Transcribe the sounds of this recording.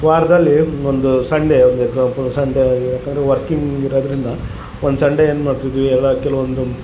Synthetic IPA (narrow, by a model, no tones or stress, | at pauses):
ʋaːɾɐd̪ɐlːiond̪usɐɳɖeond̪ueɡzaːpsɐɳɖejaːkːɐːnd̪ɾeʋɐɾkiŋɡiɾɐd̪ɐɾind̪ɐ | ond̪usɐɳɖeeːnmaːɽt̪id̪iʋiɛlːɐkɛluʋond̪u